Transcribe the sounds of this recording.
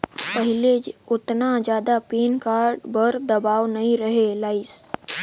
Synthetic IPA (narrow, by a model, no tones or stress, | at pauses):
pəɦɪleʊt̪nad͡ʒjaːd̪apeːnkaːɾɖbəɾd̪ɐbaːʋnɐɦĩɾəɦelaːɪs